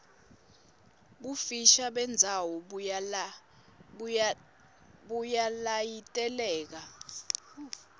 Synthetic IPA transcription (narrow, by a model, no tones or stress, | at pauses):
ɓufiʃaɓɛnd͡zʱawɔ | ɓujalajitʼɛlɛːk̬a